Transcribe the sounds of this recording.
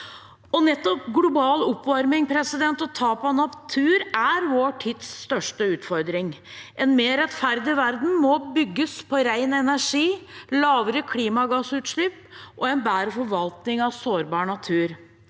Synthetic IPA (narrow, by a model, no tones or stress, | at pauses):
ɔnɛt̪ːɔpɡlʊbɑːlɔpːʋɑɾmɪŋpʰɾɛsɪd̪ɛnt̪ɔt̪ʰɑːpɑnɑpt̪ʰʉːɾæɾʋoːʈʰit̪sːt̪œʂʈəʉːt̪fɔɾd̪ɾɪŋ | ʔɛnmeːɾɛt̪fæɾd̪ɪʋæɾd̪n̩mɔbʏɡːəspʰɔɾæɪnɛnæʂiːlɑːʋəɾəkʰliːmɑɡɑsʉːt̪ʂɭʏpːʔɔɛnbæːɾəfɔɾʋɑlt̪nɪŋɑʋsoːɾbɑːɾɳɑt̪ʰʉːɾ